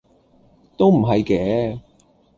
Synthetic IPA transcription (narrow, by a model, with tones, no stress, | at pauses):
t̪o˥wm̩˨˩ɦɐ˨jkɛː˨˥